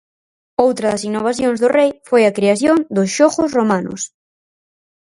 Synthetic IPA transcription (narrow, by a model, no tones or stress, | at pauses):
owt̪ɾɐðɐsinːoβ̞aθjoŋzðʊrejfojɐkɾeaθjoŋd̪ʊsʃoɣʊsromanʊ̰s